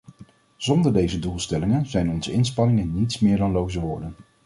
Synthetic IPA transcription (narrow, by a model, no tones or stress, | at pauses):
z̥ɔndəɹdejzədulˠstɛlɪŋənzɛjnɔnzəɪnspɑnɪŋənːitsmɪːɹdɑnlowzəʋʊːɹdən